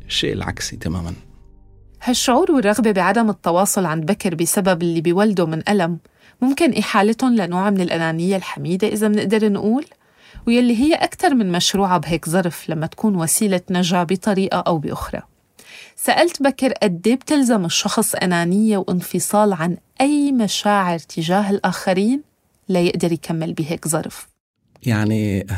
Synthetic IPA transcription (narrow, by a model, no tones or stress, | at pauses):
ʃːḛːʔɪlʕa̰ksit̪ama̰ːman | haʃːʊʕuːɾwɪrˤːɑɣbebɪʕad̪amɨt̪ˤːɑwɑːsˤʊlʕanbakɾbɪsababɪlːibiwald̪omɪnʔalamː | ʊmkɪnʔɪħaːlɪt̪hʊnlanoːʕmɪnɪlʔanaːnɪjːalħamiːd̪eʔɪzamnɪʔd̪ɑɾˤnʔuːl | wjalːiɦɪjːeʔakt̪ɑɾˤmɪnmaʃɾuːʕabɦeːkzˤɑɾˤflamːat̪ḁkuːnwasiːlanaʒabit̪ˤɑɾiːʔaʔawbɪ̰ʔʊxɾˤɑ̰ | saʔalt̪bakɪɾʔad̪ːeːbt̪ɪlzamɨʃːɑxsˤʔa̰naːnɪjːewʔɪnfɨsˤɑːlʕanʔajmaʃaːʕɪɾt̪ʰɪʒaːɦɪlʔaːxaɾiːn | lajɪʔd̪ɑɾˤjkʰamːɪlbiːɦeːkzˤɑ̰ɾˤf | jaʕni